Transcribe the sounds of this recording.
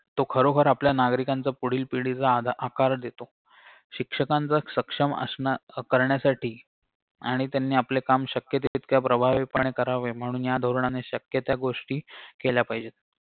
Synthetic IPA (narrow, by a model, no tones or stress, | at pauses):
t̪okʰəɾokʰəɾapljanaɡɾikant͡səpuɽ̤iːlpiɽit͡saakaɾd̪et̪o | ɕikʂəkãnt͡səsəkʂəmə̰skəɾɳjasaʈiː | aɽ̃it̪janːiːaplekamɕəkjət̪eit̪kjapɾəbʱaʋepəɳ̃ekəɾaʋem̤əɽ̃uːnjad̪ʱoɾɳaneɕəkjət̪jaɡoʂʈiːkeljapajd͡ʑet̪̚